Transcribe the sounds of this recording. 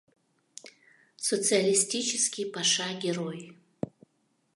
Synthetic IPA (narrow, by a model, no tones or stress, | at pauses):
sot͡sɨalistʲit͡ʃʰɛskʲipʰaʂaɡʲeroj